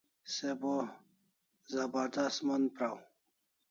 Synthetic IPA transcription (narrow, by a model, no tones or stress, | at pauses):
sebo | zɐbaɾd̪asmɐnpɾaw